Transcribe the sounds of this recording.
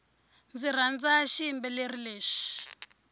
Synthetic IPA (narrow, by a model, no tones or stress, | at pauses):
nd͡zir̤and͡zaʃimbɛlerileːʃi̥